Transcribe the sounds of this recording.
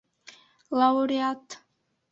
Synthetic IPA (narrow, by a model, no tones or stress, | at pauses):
laɔɾiat̪ʰ